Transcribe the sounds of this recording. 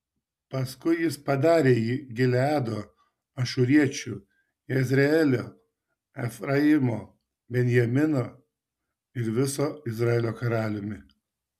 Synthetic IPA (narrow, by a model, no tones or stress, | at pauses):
pɐskʊɪjɪspɐd̪ɑːɾʲeːjiːɡʲɪlʲɑːd̪oː | ɐʃʊɾʲiɛt͡ʃʲu | jɛzʲɾʲɛɛlʲoː | ɛfɾɐɪmoː | bʲɛnʲjɛmʲɪnoː | ɪɾʋʲɪsoːɪzɾɑɛlʲoːkɐɾɑːlʲɪmʲɪ